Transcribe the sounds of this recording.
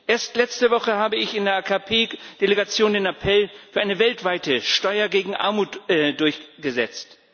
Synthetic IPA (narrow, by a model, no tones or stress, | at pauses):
ʔeːɐstlɛt͡stəvɔχəhaːbəɪçɪndeːɐʔaːkʰapʰeːd̥eleɡat͡sjoːndeːnapʰɛlfyːɐʔaɪnəvɛltv̥aɪtəʃtɔʏɐɡeːɡŋ̩ʔa̰ɐmuːtɛd̥ʊɐçɡ̥əzɛ̰t͡st